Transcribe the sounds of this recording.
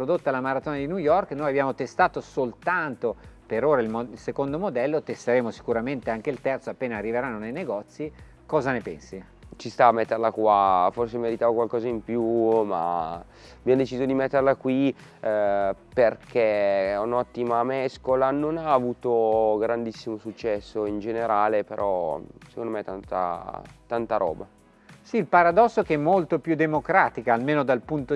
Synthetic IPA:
pɾod̪ot̪ːalamaɾat̪oːnad̪injujɔrknoːjabjaːmot̪est̪aːt̪osolt̪ant̪opeɾoːɾailmoilsekond̪omod̪ɛlːot̪est̪eɾeːmosi̥kuɾament̪eaŋk̟eilt̪ɛrt̪soapːeːnaːrːiveɾanːonejneɡɔt̪sːi | kɔːzanepɛ̰nsi | t͡ʃist̪aːmːɛt̪ːerlakwafors̬emeɾit̪aːvokwalkɔːzaimpjuma̰ | bjɛnd̪et͡ʃiːzod̪imɛt̪ːerlakwi | perkʰeunɔt̪ːimamɛskolanonaːvuːt̪oɡɾand̪isːimosut͡ʃːɛsːoind͡ʒeneɾaːlepeɾʔɔse̥kond̪omɛjt̪ant̪a̰t̪ant̪aɾʔɔ̰ːba | siːlpaɾad̪ɔsːokeɛmːolt̪opjud̪emokɾaːt̪ikaːlmeːnod̪alpunt̪o

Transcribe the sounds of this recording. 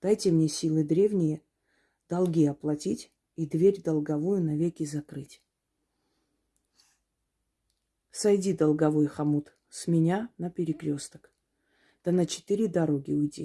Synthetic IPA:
d̪̥ajtʲɪmnʲe̞sʲilˠɨd̪ɾʲe̞vnʲɪjə | d̪̥ɐlˠɡʲiɐplˠɐtʲitʲ | id̪vʲeɾʲd̪ɐlˠɡɐvujʊnɐvʲekʲɪzɐkɾɨtʲ | sɐjdʲid̪ɐlˠɡɐvojxɐmut̪ | sʲmʲɪnʲanəpʲɪɾʲɪkɾʲo̞st̪ə̥k | d̪̥ənət͡ɕɪ̥t̪ɨɾʲɪd̪ɐɾoɡʲɪʊjdʲḭ

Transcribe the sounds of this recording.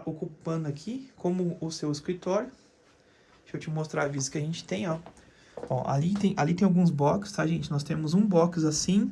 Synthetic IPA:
ʔokuppɐ̃nd̪ʊakʰikʰõmʊʊsewɪskɾit̪ɔɾjʊ | sewt͡ʃɪmost̪ɾavizɐkɪɐʒẽnt͡ʃɪ̥t̪ẽj̃ɔ | ɔ̰ʔa̰lit̪ẽj̃ʔalit̪ẽj̃awɡũzbɔkɪ̥st̪aʒẽnt͡ʃɪnɔst̪ẽmʊzũbɔkzasĩ

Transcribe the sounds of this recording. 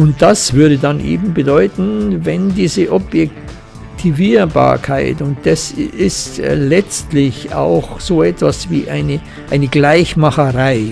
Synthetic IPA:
ʊnt̚d̥asv̥ʏɐɾədanʔḛːbm̩bədɔʏtn̩vɛndiːzəʔobjɛk̚ | tʰiviːɐba̰ːɐkʰaɪtʊnt̚d̥asɪstlɛt͡stlɪça̰ʊxz̥oːʔɛtv̥asviːʔaɪnə | ʔaɪnəɡlaɪçmaχəʁaɪ

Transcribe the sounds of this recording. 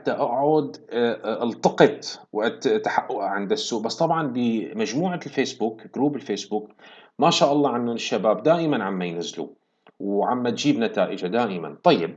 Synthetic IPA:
at̪ːaʔaʔaʕuːd̪ʔalt̪ɑqɨt̪ˤwʔat̪t̪ːaħaʔːʊʔʕɪnd̪asːuːʔbasːt̪ˤɑbʕɑnbɪmad͡ʒmuːʕalfeːsbuːkɡ̥ɾuːbɪlfeːsbuːkmaʃaːʔɑlˤːɑːʕanːʊnɪʃːabaːbd̪aːʔɪmanʕamːajnazːlṵ | wʕamːat̪d͡ʒiːbnat̪aːʔɪd͡ʒad̪aːʔɪma̰nt̪ˤɑjːɪb̚

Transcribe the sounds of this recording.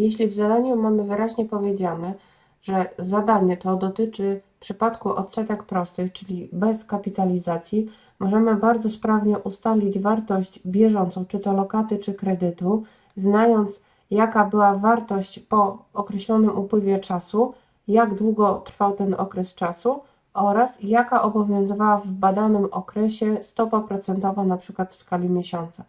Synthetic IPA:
jeɕlʲivzad̪aɲumamɘvɘɾaʑɲɛpɔvʲjed͡ʑanɛ | ʐɛzad̪aɲɛt̪ɔd̪ɔt̪ɘt͡ʂɘ | pʂɘpat̪kuʔɔ̰t̪sɛt̪ɛkpɾɔst̪ɘxt͡ʂɘlʲibɛskapʲit̪alʲizat̪sʲji | mɔʐɛmɘbaɾd̪zɔspɾavɲɛʔust̪alʲid͡ʑvaɾt̪ɔɕd͡ʑbʲjɛʐɔnt̪sɔ̃w̃t͡ʂɘt̪ɔlɔkat̪ɘt͡ʂɘkɾɛd̪ɘt̪u | znajɔnt̪s | jakabɘwavaɾt̪ɔɕt͡ɕpɔːkɾɛɕlɔnɘmupwɘvʲjɛt͡ʂasu | jaɡd̪wuɡɔt̪ɾfawt̪ɛnɔ̰kɾɛst͡ʂasu | ʔɔɾasjakaʔɔbɔvʲjɔ̃w̃zɨvawavbad̪anɘmɔkɾɛɕɛst̪ɔpapɾɔt̪sɛnt̪ɔvanapʂɘkwat̪fskalʲimʲjeɕɔnt̪sa

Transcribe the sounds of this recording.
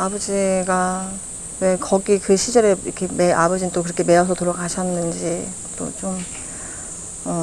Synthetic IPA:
abʌd͡ʑiɡa | we̞kʌɡikɯɕʰid͡ʑʌɾeḭkʰe̞mea̰bʌd͡ʑinnt͈okɯɾʌkʰe̞me̞ʌsʰʌtuɾʌkaɕʰʌnːɯnd͡ʑi | t͈o̰t͡ɕom | ʌ

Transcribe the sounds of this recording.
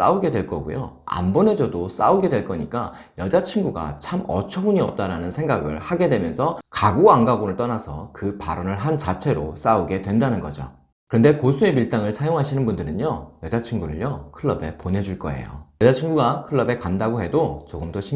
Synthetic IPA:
s͈a̰uɡe̞dwe̞ɭk͈ʌɡṵjo̰a̰mbone̞d͡ʑʌdos͈auɡe̞dwe̞ɭk͈ʌɲik͈a | jʌd͡ʑat͡ɕʰiŋɡuɡa̰t͡ɕʰamʌ̰t͡ɕʰʌbuɲiʌp̚t͈aɾanɯnsʰe̞ŋɡaɡɯ̰ɭhaɡe̞dwe̞mjʌnsʰʌkaɡoaŋɡaɡonɯɭt͈ʌnasʰʌkɯpaɾʌnɯɭɦant͡ɕat͡ɕʰe̞ɾo̰s͈auɡe̞dwe̞ndanɯnɡʌd͡ʑo̰ | kɯɾʌnde̞kosʰue̞miɭt͈aŋɯɭsʰajoŋɦaɕʰinɯnbundɯɾɯnjojʌd͡ʑat͡ɕʰiŋɡuɾɯ̰ɭjʌkʰɯɭːʌbe̞ponɦe̞d͡ʑuɭk͈ʌ̰ḛjo̰jʌd͡ʑat͡ɕʰiŋɡuɡakʰɯɭːʌbe̞kandaɡohe̞dot͡ɕoɡɯmdoɕʰi

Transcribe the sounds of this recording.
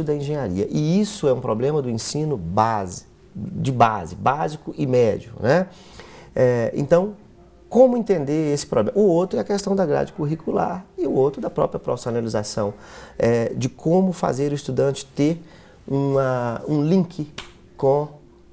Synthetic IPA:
ʊd̪ɐẽʒẽɲaɾḭɐ̰ʔɪisʊɛũpɾoblẽmɐd̪ʊẽsĩnʊbaz | d͡ʒɪbazɪbazikʊʔɪmɛd͡ʒiʊ̰nɛ | ɛḛ̃t̪ɐ̃w̃ | kõmʊẽnt̪ẽnd̪eɾesɪ̥pɾoblẽmʊowt̪ɾʊɛɐkest̪ɐ̃w̃d̪ɐɡɾa̰d͡ʒɪkuɦikula̰ɾɪʊowt̪ɾʊd̪ɐpɾɔ̰pɾjɐpɾofsonalizasɐ̃w̃ɛd͡ʒɪkʰõmʊfa̰zeɾʊist̪ud̪ɐ̃t͡ʃɪ̥t̪eɾ | ũɐũlĩkʰɪ | kõ

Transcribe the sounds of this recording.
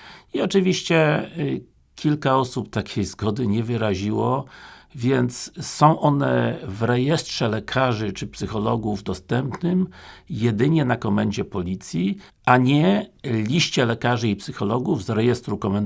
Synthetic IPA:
iɔt͡ʂɘvʲiɕt͡ɕɛ | kʲilkaɔsupt̪akʲʰejzɡɔd̪ɘɲɛvɘɾaʑiwɔvʲjɛnt̪ssɔ̃w̃ʔɔnɛvɾɛjɛstʂɛlɛkʰaʐɘt͡ʂɘpsɘxɔlɔɡuvd̪ɔst̪ɛmpnɘmjɛd̪ɘɲɛnakɔmɛɲd͡ʑɛpɔlʲit̪sʲji | aɲɛlʲiɕt͡ɕɛlɛkaʐɘipsɘxɔlɔɡuvzɾɛjɛst̪ɾukɔmɛn

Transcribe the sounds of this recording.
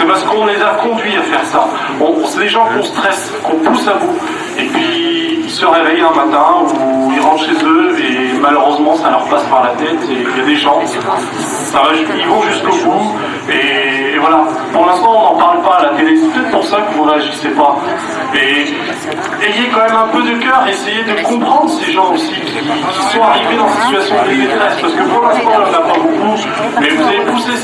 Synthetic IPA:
sɛpaʁsə̥kɔ̃nezakɔ̃d̪ɥiafɛʁsa | ɔ̃sɛd̪eʒɑ̃kɔ̃st̪χɛs | kɔ̃pusabu | epɥiilsəʁevɛjɛ̃mat̪ɛ̃uilʁɑ̃t̪ʃezøemaløʁøzmɑ̃salœʁpaspaʁlat̪ɛt̪ejad̪eʒɑ̃ | saʁaʒilvɔ̃ʒyskobu | eːvwala | puʁlɛ̃st̪ɑ̃ɔ̃nɑ̃paʁlpaːlat̪elesɛpət̪ɛt̪χpuʁsakəvɔ̃ʁaʒəsɛpa | e | eilakɑ̃mɛmɛ̃pød̪əkœʁesejed̪əkɔ̃pχɑ̃d̪ʁəseʒɑ̃osikʲʰikʲi̥sɔ̃aʁived̪ɑ̃siit̪ɥasjɔ̃lezet̪χɛspaʁsə̥kəpuʁlɛ̃st̪ɑ̃ɑ̃napaboku | mɛvuzalepuse

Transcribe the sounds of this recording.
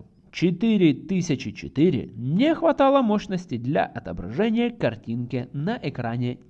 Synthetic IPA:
t͡ɕɪt̪ɨɾʲɪt̪ɨsʲət͡ɕɪt͡ɕɪ̰t̪ɨɾʲɪ̰nʲɪxvɐt̪alˠəmoɕnəsʲtʲɪjd̪lʲɐ̰ʔɐt̪ə̰bɾɐ̰ʐɛnʲɪjəkɐrtʲinkʲɪnɐʔɛkɾanʲɪ

